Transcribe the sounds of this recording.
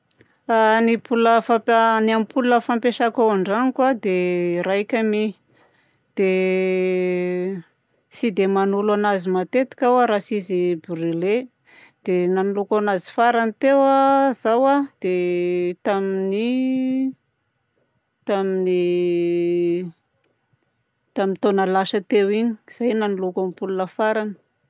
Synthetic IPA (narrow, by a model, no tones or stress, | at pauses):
anipʰuləfaaniamipulunəfampeʃakawaɳɖ͡ʐanikwad̪eɾajkʲami | d̪̥e | sid̪emanulanazimat̪et̪i̥kʲawaɾasizibuɾile | d̪̥enanulukanazi̥faɾanit̪ewazawad̪̥et̪amini | t̪amini | t̪amint̪onəlaʃət̪ewiɲi̥z̥ajnanulukamipulunəfaɾanə̥